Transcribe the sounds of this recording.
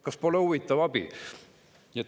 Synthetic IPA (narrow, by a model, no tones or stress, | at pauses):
kɑspo̞leuvit̪ːˑɑvɑb̥ḭ | et̪